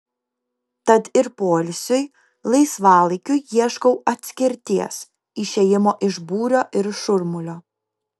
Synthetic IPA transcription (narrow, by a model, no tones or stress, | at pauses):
t̪ɐt̪ɪɾpoːlʲsʲʊj | lˠɐɪsʋɑːlˠɐɪkʲʊjiɛʃkɔʊɐt̪ʲsʲkʲɪɾʲt̪ʲiɛs | iʃʲejɪmoːʔɪʒbuːɾʲoːʔɪɾʃʊɾmʊlʲoː